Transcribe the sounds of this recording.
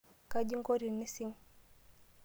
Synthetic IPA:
ka˦d͡ʒi˦ŋɡɔ˦ɾi˨ni˦si˦ŋ

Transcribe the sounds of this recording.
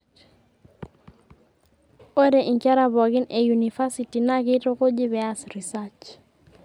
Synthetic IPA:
o˦ɾe˨ʔɪ˨ŋka˦ɾa˦bɔ˨kɪ˦nʔe˨junifa˦siti˨na˦kɪtʊ˦kʊ˦d͡ʒɪ˦βɛasri˨sat͡ʃ

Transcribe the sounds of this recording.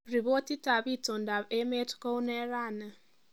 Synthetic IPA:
ɾi˨bo˦ti˦ta˨bi˦˨to˨n˨da˨be˦me˦tko˦u˦ne˦ɾa˦˨na˨

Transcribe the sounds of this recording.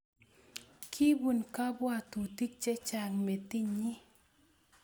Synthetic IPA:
kʰi˦bu˨nka˦bwa˦˨t̪u˨ti˦k̚t͡ʃɛ˦t͡ʃa˨ŋme˨t̪i˦ɲi˦

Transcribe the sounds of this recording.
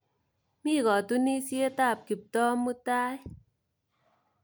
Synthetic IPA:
mi˦˨kɔ˨tu˦ni˦si˦e˦ta˦˨p̚ki˨p̚tɔ˦mu˦ta˦j

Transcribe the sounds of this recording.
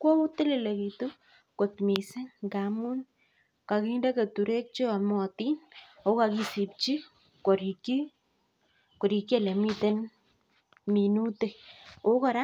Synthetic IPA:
ko˦u˦te˦lɪ˨le˨ki˨tu˦ | ko˨t̪mi˨sɪ˦ŋɡa˨mu˦n | ka˨ki˦nde˦ke˨tu˨ɾe˦k̚t͡ʃo˦a˨mɔ˨ti˦no˨ka˨ki˧si˨p̚t͡ʃi˦ | kɔ˨ɾi˨kːi˦ | ko˨ɾi˨ki˦e˦˨le˨mi˦te˦n | mi˨nu˦te˨o˦kɔ˦ɾa˦

